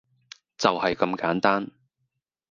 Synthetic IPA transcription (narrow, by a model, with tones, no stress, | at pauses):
t͡sɐ˨whɐ˨jkɐ˧mkaː˨˥nt̪aː˥n